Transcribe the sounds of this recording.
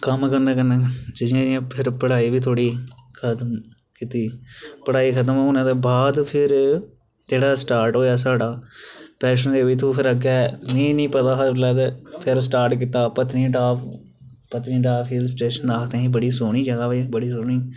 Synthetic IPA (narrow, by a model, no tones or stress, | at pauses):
kəmkəɾnẽːkənːeːd͡ʒɪd͡ʒɪãːd͡ʒɪãːpʰɪɾpəɽaːiːʋiːt̪ʰoːɽiːkʰət̪əm | kit̪iːpəɽaːiːkʰət̪̬əmːʊnãːd̪eːbaːd̪pʰɪɾ | d͡ʒeːɽaːsʈaːɾʈɦoːjaːs̬aːɽaːpɛːʃ̬ənd̪eːoiːt̪ʰuːpʰɪɾəɡɛːnĩːnĩːpət̪aːlɛːd̪epʰɪɾsʈaːɾʈk̬iːt̪aːpət̪nĩːʈaːp | pət̪nĩːʈaːfʰiːlsʈeːʃənaːkʰt̪ẽːĩːbəɽiːsoːɽ̃iːd͡ʒəɡaːʋebəɽiːsoːɳ̃iː